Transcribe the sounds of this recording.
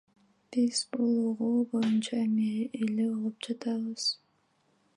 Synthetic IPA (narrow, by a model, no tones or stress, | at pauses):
b̥iz̥bulˠuʁuːbo̞junt͡ʃaemeʔelebolˠɯp̚d͡ʒɑt̪ɑβɯz̥